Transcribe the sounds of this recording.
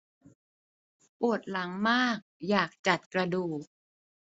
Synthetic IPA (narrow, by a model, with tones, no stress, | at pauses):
pu˨˩ət̪̚la˩˦ŋmaː˥˩k̚jaː˨˩k̚t͡ɕa˨˩t̪̚kɾa˧duː˨˩k̚